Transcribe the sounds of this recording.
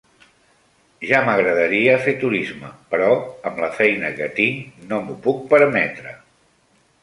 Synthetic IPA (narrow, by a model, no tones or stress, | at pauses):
ʒaməɣɾəðəɾiəfet̪uɾizməpəɾɔəmləfɛjnəkət̪iŋnomupuk̚pəɾmɛt̪ɾə